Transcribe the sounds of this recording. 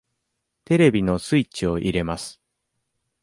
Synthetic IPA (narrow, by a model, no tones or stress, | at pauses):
t̪e̞ɾe̞bʲino̞sɨit͡ɕio̞ʔiɾe̞masɨ̥